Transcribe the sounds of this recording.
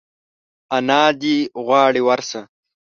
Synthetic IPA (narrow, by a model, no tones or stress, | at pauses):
ɐnaːd̪iɣwaːɽiwɐɾsɐ